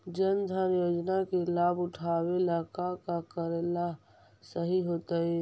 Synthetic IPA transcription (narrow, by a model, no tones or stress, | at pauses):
d͡ʒənd̪ʱaɾjoːd͡ʒnakelaːbʊʈʰaːwelakakakəɾela | səɦiɦoːt̪aɦɛ